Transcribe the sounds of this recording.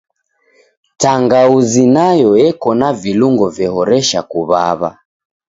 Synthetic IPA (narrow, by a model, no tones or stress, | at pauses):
taŋɡauzinajɔɛkɔnaviluŋɡɔvjɛhɔɾɛʃakuβa̰βa̰